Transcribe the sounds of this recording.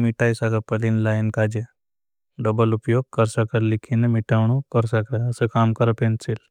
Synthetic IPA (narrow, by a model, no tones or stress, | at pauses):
miʈajsaɡapəlinlajinkad͡ʒe | ɖəbəlupjoːɡ̚kəɾsəkəllikʰinemiʈawɳukəɾsakɾaəsəkaːmkəɾapẽnsil